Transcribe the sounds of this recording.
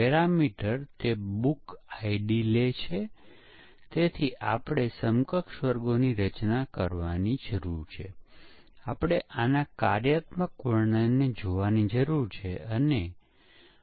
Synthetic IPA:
pɛɾamiʈəɾt̪ebukaiɖilet͡ʃʰe | t̪et̪ʰiʔapɽ̃esəmkəkʃʋəɾɡoniɾət͡ʃnakəɾʋanid͡ʒəɾuɾt͡ʃʰe | apɽ̃eʔanakaɾjət̪məkʋəɳəned͡ʒoʋanid͡ʒəɾuɾt͡ʃʰeəne

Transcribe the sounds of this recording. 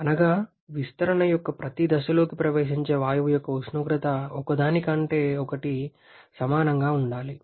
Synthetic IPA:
ɐnɐɡaː | ʋist̪ɐɾɐnɐjɔkːɐpɾɐt̪id̪ɐʃɐlo̞ːkipɾɐʋeːʃiɲt͡ʃe̞ːʋaːjɐʋjɔkːɐuʃnuɡɾɐt̪ɐɔkɐd̪aːnikɐɳʈe̞ːɔkɐʈi | sɐmaːnɐŋɡaːuɳɖaːli

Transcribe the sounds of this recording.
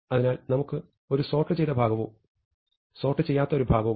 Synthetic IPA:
ɐðinaːlnɐmukːɨ | o̞ɾuso̞ːʈːɨt͡ɕe̞jt̪ɐbʱaːɡɐʋuː | so̞ːʈːɨt͡ɕejːaːt̪ːɐoɾubʱaːɡɐʋ

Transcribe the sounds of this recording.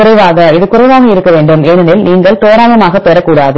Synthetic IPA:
ʊɾɐɪʋaːɣɐɪðɯkʊrɐɪʋaːɣɐɪɾɯkːɐʋeːɳɖɯmenɐnɪlniːŋɡɐɭt̪oːɾaːjɐmaːɣɐpːeːɾɐkːuːɽaːðɯ

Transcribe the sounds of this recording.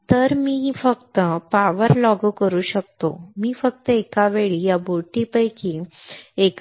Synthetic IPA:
t̪əɾmiːfəkt̪əpaʋəɾlɔɡkəɾuːɕəkt̪o̰miːfək̚t̪əekaʋeɭijaboʈipəjkiek

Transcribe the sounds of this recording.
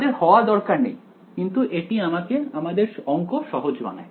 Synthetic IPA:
d̪eɾhɔoad̪ɔɾkaɾnej | kint̪uʔeʈiamakeamad̪eɾʃɔŋkoʃɔɦod͡ʑba̰na̰e

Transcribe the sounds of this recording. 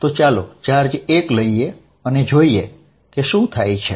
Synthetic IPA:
t̪ot͡ʃalot͡ʃaɾd͡ʒekləie | əned͡ʒoie | keʃũt̪ʰajt͡ʃʰe

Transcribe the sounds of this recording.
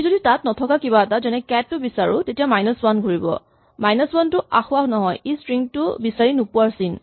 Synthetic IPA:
zoditatnɔtʰɔkakiβaɛtazɛnɛkɛtːʊbisaɹʊ̰tetijamajnəswanɡʱoɹibɔ̰ | majnəswantʊa̰xʊaɦnɔɦɔjespɹiŋtʊbisaɹinupʊaɹsin

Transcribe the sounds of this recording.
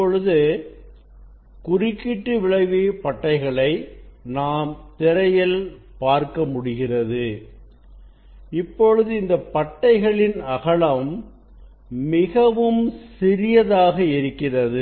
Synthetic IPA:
pːɔɻɯðɯ | kʊrɪkːɪʈːɯʋɪɭɐɪʋeːpɐʈːɐɪɣɐɭɐɪnaːmt̪ɪɾɐjɪl | paːɾkɐmʊɽɪɣɪrɐðɯ | ɪpːɔɻɯðɯɪnd̪ɐpɐʈːɐɪɣɐɭɪnɐɣɐɭɐm | ɪɣɐʋɯmsɪɾɪjɐðaːɣɐɪɾɯkːɪrɐðɯ

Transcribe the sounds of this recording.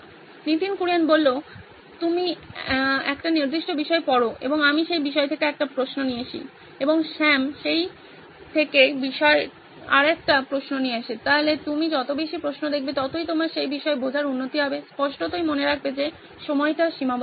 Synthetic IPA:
nit̪inkuɾijanbolːo | t̪umi | ɛ̰kʈaniɾd̪iʃʈobiʃɔepɔɾoḛboŋamiʃejbiʃ̬ɔet̪ʰekeɛk̚ʈapɾosnonieeʃʰḭ | eboŋʃɛmʃej | t̪ʰekebiʃɔe | a̰ɾɛk̚ʈapɾosnonijeeʃet̪aɦolet̪umid͡ʑɔt̪obeʃipɾosnod̪ek̚ʰbet̪ɔt̪ojt̪omaɾʃejbiʃɔebod͡ʑʱaɾunːot̪iɦɔbespɔʃʈot̪ojmoneɾakʰbed͡ʑe | ʃɔmɔeʈaʃimab

